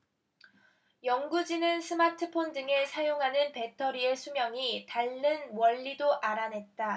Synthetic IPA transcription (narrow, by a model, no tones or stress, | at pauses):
jʌŋɡud͡ʑinɯnsʰɯmatʰɯpʰondɯŋe̞sʰajoŋɦanɯnpe̞tʰʌɾie̞sʰumjʌŋitaɭːɯnwʌʎːidoʔaɾanɦe̞t̚t͈a